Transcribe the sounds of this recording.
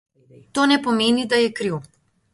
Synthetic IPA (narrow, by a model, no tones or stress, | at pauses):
t̪oːnɛpɔmeːnid̪ajɛkɾiw